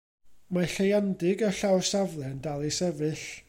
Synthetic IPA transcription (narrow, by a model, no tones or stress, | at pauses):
maɬejandɪɡəɬawrsavlˠɛndalˠisɛvɨɬ